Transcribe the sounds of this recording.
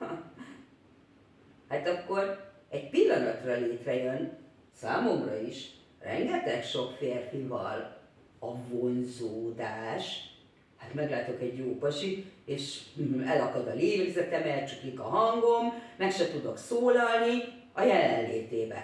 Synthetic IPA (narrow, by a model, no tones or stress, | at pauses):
hat̪ɒkːo̞r | ɛɟpilːɒnɒt̪rɒleːt̪rɛjøn | saːmo̞mrɒiʃ | rɛ̰ŋɡɛt̪ɛkʃo̞kfeːrfivɒ̰l | ɒvonzoːd̪aːʃ | hat̪mɛɡlaːt̪o̞kɛɟjoːpɒʃieːʃɛlɒkɒd̪ɒleːɾeɡzɛt̪ɛmɛlt͡ʃuklikɒɦɒŋɡo̞mːɛkʃɛt̪ud̪o̞ksoːlɒlni | ɒjɛlɛnleːt̪eːbɛ̰